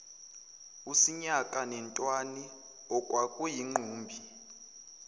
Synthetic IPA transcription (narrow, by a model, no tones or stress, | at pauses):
usiɲakʼanɛntʼwani | ɔkʼwakʼujiŋ͡ǃuːmbʱi